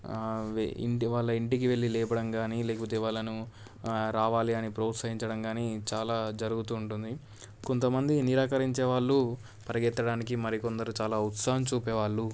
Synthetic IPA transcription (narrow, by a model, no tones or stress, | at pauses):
ʋḭɳʈiʋaːɭːɐiɳʈik̬iʋe̞ɭːilɛːpɐɽɐmɡaːniːlɛːkɐpot̪eːʋaːɭːɐnu | ɾaːʋaːliɐnipɾoːt̪sɐɦiɲt͡ʃɐɽɐmɡaːniːt͡ʃaːlaːd͡ʒɐɾuɡut̪uːɳʈund̪i | ko̞nt̪ɐmɐnd̪iniɾaːkɐɾiɲt͡ʃɛːʋaːɭːu | pɐɾɐɡɛt̪ːɐɽaːnik̬imɐɾiko̞nd̪ɐɾut͡ʃaːlaːut̪sɐɦɐmt͡ʃuːpɛːʋaːɭːu